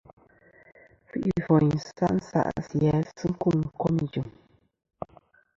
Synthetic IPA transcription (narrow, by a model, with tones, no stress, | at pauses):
fi˦ʔi˨i˦fɔ˨ɲ̩˨sa̰˦ʔn̩˦sa̰˦ʔsi˨ja˨˦sɨ˦ŋ̩˦ku˦˨ŋ˨ŋ̩˨kɔ˦mi˨d͡ʒu˨m